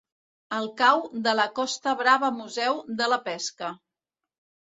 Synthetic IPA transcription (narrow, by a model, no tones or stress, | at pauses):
əlˠkawd̪ələkɔst̪əβɾaβəmuzɛwðələpɛskə